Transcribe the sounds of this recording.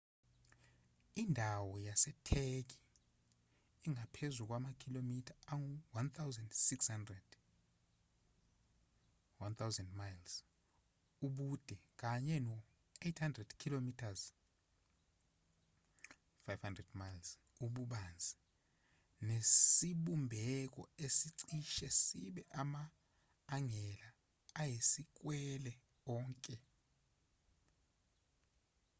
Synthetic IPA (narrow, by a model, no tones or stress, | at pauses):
indʱawɔjasɛtʰek̬i̥ | iŋapʰezuk̬wamakʰilomitʰaaŋuwant̪ʰawzɛndsikshandrɛd̥ | want̪ʰawzɛndmajls | uɓud̥ʱɛk̬aɲɛnɔ | ejtʰhandrɛd̥kʰilomitʰaz̥ | fajvhandrɛdmajls | uɓuɓand͡zʱi | nesiɓumbʱɛk̬ʼɔ̰esiǀiʃɛsiɓɛʔamaː | ŋɛlaː | jesik̬ʼwɛlɛ | ɔːŋkʼɛ